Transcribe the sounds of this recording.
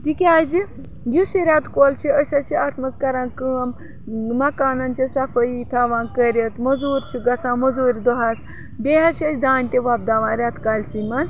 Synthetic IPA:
t̪ikʲaːzi | jusiɾʲat̪koːlt͡ʃʰiəʃɐt͡ʃʰiat̪mɐzkɐɾãːnkɨɐm | mɐkaːnɐnt͡ʃʰisɐfɐit̪ʰaːʋãːnkəɾʲɐt̪mɐzuːɾʲt͡ʃʰiɡɐt͡sãːmɐzuːɾʲid̪oɦas | bʲeɦɐɾt͡ʃʰɐt͡ʃʲd̪aːnʲt̪eʋɐb̚d̪aːʋãːɾʲat̪kaːlʲsimɐns

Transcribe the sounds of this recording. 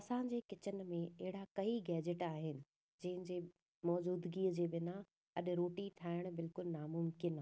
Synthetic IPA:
ɐsãɲd͡ʑeːkɪt͡ɕən̆mẽɐɦɪɽakɐiɡɛːd͡ʑəʈaːɦɪnɪ̆ | d͡ʑɐ̃ɦɪ̃nd͡ʑeː | mɔːd͡ʑuːd̪ɡiːəd͡ʑeːbɪnã | ɐɗɾoːʈiʈʰaːɪɽ̃bɪlkʊlnaːmʊmkɪnaː

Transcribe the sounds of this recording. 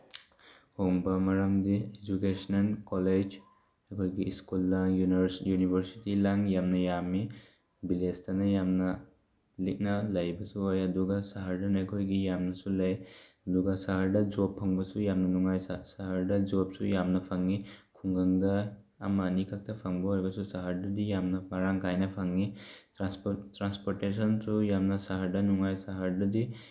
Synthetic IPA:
hoŋbɐmaɾamdied͡ʒukesnankɔled͡ʒ | ekʰojɡiːskulːaŋjujunibʱɐɾsi̥tilaŋjamnɐjami | bilestɐnɐjamnɐ | lik̚nɐlɐjbɐsuɦojɐduɡɐsaɦaɾdanakʰojɡijamnɐsulajɐduɡɐsaɦaɾdɐd͡ʒopʰːaŋbɐsujamnɐnuŋajssaɦaɾdɐd͡ʒop̚sujamnɐpʰaŋːikʰuŋɡɐŋda | ɐmɐnikʰak̚tʰɐpʰaŋbɔɦojbɐsusaɦaɾdɐdijamnɐpaɾaŋkʰajnɐpʰaŋitɾastɾanspoɾtesɔnsujamnɐsaɦaɾdɐnuŋajsaɦaɾdɐdi

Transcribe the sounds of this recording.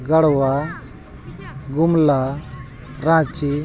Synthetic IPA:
ɡɐɽwa | ɡumla | ɾãːt͡ʃi

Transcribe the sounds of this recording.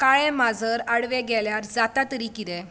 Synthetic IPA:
kaɭɛ̃mad͡zʱəɾaɽʋɛ̃ɡɛljaɾd͡zat̪at̪əɾiːkit̪ɛ̃

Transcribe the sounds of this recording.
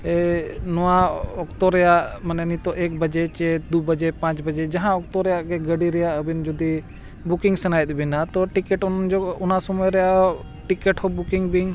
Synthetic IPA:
ɛnɔwaɔkt̪ɔɾɛjaʔmananit̪ɔʔɛk̚bəd͡ʒɛt͡ʃɛd̪ubəd͡ʒɛpãt͡ʃbəd͡ʒɛd͡ʒaɦãɔk̚t̪ɔɾɛjaʔɡɛɡəɖiɾɛjaʔəbind͡ʒɔd̪i | bukiŋsənajɛt̪̚bɛnat̪ɔʈikɛʈɔnnd͡ʒɔunasɔmɔjɾɛjaʔɔ | ʈikɛʈhɔbukiŋbiŋ

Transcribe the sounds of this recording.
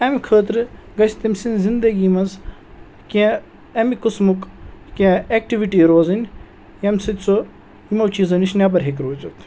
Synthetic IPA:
ɐmkʰəːt̪ɾɡɐsʲt̪imʲsinzind̪əɡimɐnz | kɛ̃ | ɐmikusmukkʲãek̚ʈiʋiʈiːɾoːzinʲ | ɐmʲsit̪ʲt͡so | imɐwt͡ʃiːzɐniʃnʲjab̬ɐɾɦekɾoːt͡ʃɐt̪

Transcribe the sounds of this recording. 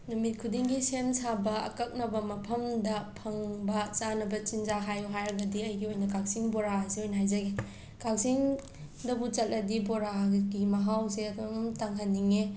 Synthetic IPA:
numit̚kʰudiŋɡisensabɐɐ̰kɐk̚nɐbɐmɐpʰɐmdɐpʰɐŋbɐt͡ʃanɐbɐt͡ʃinzaɦajuɦajɾɐɡɐdiɐjɡiojnɐkak̚siŋboɾasiojnɐɦajzɐɡe | kak̚siŋ | dɐbut͡ʃɐt̚lʔɐdiboɾaɡimɐɦawseɐtʰomumtaŋɦaniŋe

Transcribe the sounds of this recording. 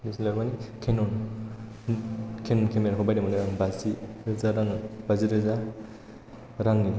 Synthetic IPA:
dislaɾbanikʰenɔn | kʰenɔnkʰemeɾakʰɔbajdamanaɾaŋbaziɾɯzaɾaŋbaziɾɯza | ɾaŋni

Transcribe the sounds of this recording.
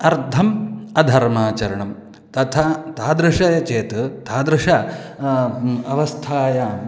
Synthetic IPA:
ɐɾt̪ʰɐmɐd̪ʱɐɾmaːt͡ʃɐɾɐɳɐm | t̪ɐt̪ʰat̪ʰaːd̪ɾuʂɐjɐt͡ʃeːt̪t̪ʰaːd̪ɾuʂɐ | ɐʋɐst̪ʰaːjɐ

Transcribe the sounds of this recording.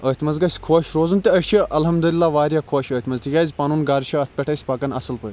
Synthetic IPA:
əːt̪ʰʲmɐzɡɐsʲkʰoːʃɾoːzunt̪ʲiɐt͡ʃʰiɐlɦɐmd̪ulilːaːʋaːɾʲjaːkʰoːʃəːt̪ʰʲmɐzʲt̪ʰʲiɡʲaːzʲpaːnuːnɡaːɾʃʰɐɐt̪̚ʰʲpʲɛʈʰɐsʲpaːkɐnɐsɨlpəːt̪ʲ

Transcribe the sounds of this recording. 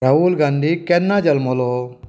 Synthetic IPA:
ɐɦulɡaːnd̪ikɛnːad͡ʒɐlmolo

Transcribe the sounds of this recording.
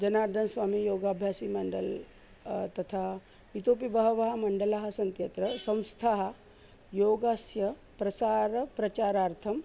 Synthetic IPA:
d͡ʒɐnaːɾd̪ʱɐnsʋaːmijoːɡaːbʱjaːsimɐɳɖɐ̰l | t̪ɐt̪ʰa | ʋit̪oːpibɐɦɐʋɐɦɐmɐɳɖɐlaɦɐ̆sɐnt̪jɐt̪ɾɐsɐ̃w̃st̪ʰaɦɐ | joːɡaːsjɐ | pɾɐsaːɾɐpɾɐt͡ʃaːɾaːɾt̪ʰɐm

